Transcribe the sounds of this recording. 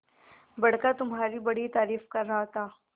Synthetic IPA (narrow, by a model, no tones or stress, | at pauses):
bɐɽkat̪ʊmɦaːɾibɐɽit̪aːɾiːfkɐɾːɐɦat̪ʰaː